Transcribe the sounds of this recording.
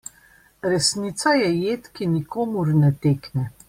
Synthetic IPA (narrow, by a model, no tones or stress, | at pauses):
ɾɛsniːt̪sajɛjeːt̪kinikoːmuɾnɛt̪eːknɛ